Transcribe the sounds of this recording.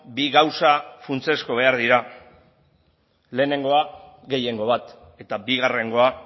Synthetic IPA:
biɣawsafunt͡se̞sko̞β̞e̞aɾð̞iɾa | le̞ːne̞ŋɡo̞a | ɣe̞je̞ŋɡo̞βat̪ | e̞t̪abiɣare̞ŋɡo̞a

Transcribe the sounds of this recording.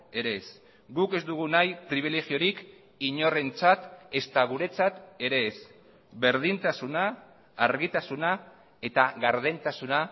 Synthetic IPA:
e̞ɾe̞s | ɡuke̞zd̪uɣ̞unajpɾiβ̞ile̞ɣio̞ɾik | iɲo̞re̞nt͡sat̪e̞st̪aɣ̞uɾe̞t͡sat̪e̞ɾe̞ːs | βe̞ɾðint̪asunaː | ɾɣit̪asuna | e̞t̪aɣaɾðent̪asuna

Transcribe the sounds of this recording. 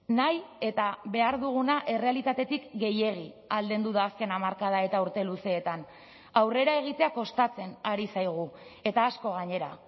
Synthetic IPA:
naje̞t̪aβe̞aɾðuɣ̞unaʔe̞re̞alit̪at̪e̞t̪ikɡe̞je̞ɣ̞i | ald̪e̞nd̪uðaːske̞namaɾkað̞ae̞t̪auɾt̪e̞luse̞ːt̪an | awre̞ɾae̞ɣ̞it̪e̞ako̞st̪at͡se̞naɾisajɣ̞ue̞t̪aːsko̞ɣaɲe̞ɾa

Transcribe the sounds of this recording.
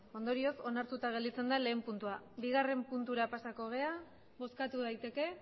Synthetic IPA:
o̞nd̪o̞ɾio̞so̞naɾt̪ut̪aɣe̞ld̪it͡se̞nd̪ale̞ːmpunt̪uaβiɣ̞are̞mpunt̪uɾapasako̞ɣ̞e̞a | βo̞skat̪uð̞ajt̪e̞ke̞

